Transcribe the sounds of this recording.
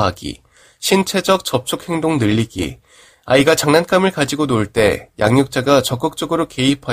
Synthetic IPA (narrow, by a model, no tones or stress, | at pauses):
aɡḭ | ɕʰint͡ɕʰe̞d͡ʑʌk̚t͡ɕ͈ʌp̚t͡ɕʰuk̚he̞ŋdoŋnɯʎːiɡḭ | a̰iɡat͡ɕaŋnank͈amɯɭkad͡ʑiɡonoɭt͈e̞ja̰ŋɲuk̚t͡ɕ͈aɡat͡ɕʌk͈ɯk̚t͡ɕ͈ʌɡɯɾoke̞ipʰa